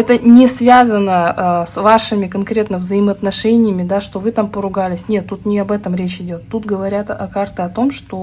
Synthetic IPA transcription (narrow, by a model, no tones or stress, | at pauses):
ɛt̪ənʲɪsvʲazənəəsvaʂɨmʲɪkɐnkɾʲe̞t̪nəvzəɪməɐt̪nɐʂɛnʲɪjəmʲɪd̪aʂt̪o̞vɨt̪ampəɾʊɡalʲɪsʲnʲe̞t̪ːut̪nʲɪɐbɛt̪əmɾʲet͡ɕɪdʲo̞t̪ːut̪ɡəvɐɾʲat̪ɐkart̪ɨɐt̪o̞mʂt̪o̞